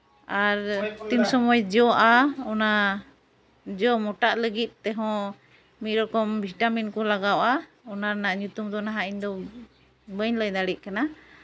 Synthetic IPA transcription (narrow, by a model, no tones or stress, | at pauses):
aɾt̪imsɔmɔjd͡ʒɔʔaɔna | d͡ʒɔmɔʈaʔləɡit̪̚ˀt̪ɛɦɔ̃ | miɾɔkɔmbʱiʈaminkɔlaɡawʔa | ɔnanaʔɲut̪umd̪ɔnaɦaʔiɲd̪ɔ | bəɲləjd̪aɽiʔ̚kana